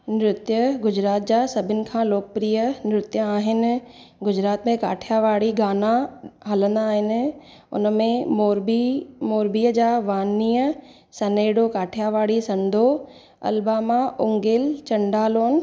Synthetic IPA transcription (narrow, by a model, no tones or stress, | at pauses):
nɾʊt̪jəɡʊd͡ʑɾaːt̪̚d͡ʑaːsɐbʱɪnɪ̆kʰãːloːkəpɾiːjənɪɾʊt̪jãaːɦɪnɪ̆ | ɡʊd͡ʑɾaːt̪mẽka̰ːʈʰijaʋaːɽiɡaːnaɦɐlə̃nd̪aːɦɪnɪ̆ | ʊ̰nmẽmoɾbimoːɾbiːəd͡ʑaːʋaːniːə | sɐneːɽokaːʈʰijaʋaːɽisɐ̃nd̪ʱo | ɐ̰lbaːmaʔʊŋɡɪlt͡ɕɐ̃ɳɖaːloːn